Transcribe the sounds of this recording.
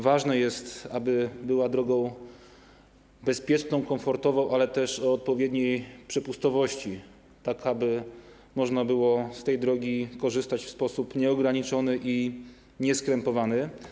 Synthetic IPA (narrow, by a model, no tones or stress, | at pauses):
vaʐnɛjɛst̪abɘbɘwad̪ɾɔɡɔ̃w̃ | bɛspʲjɛt͡ʂnɔ̃w̃kɔ̃mfɔɾt̪ɔvɔ̃w̃ʔalɛt̪ɛʂɔːt̪̚pɔvʲjɛd̪ɲejpʂɛpust̪ɔvɔɕt͡ɕi | t̪akabɘ | mɔʐnabɘwɔst̪ɛjd̪ɾɔɡʲikɔʐɘst̪at͡ɕfspɔsupɲɛɔɡɾaɲit͡ʂɔnɘʔi | ɲɛskɾɛmpɔvanɘ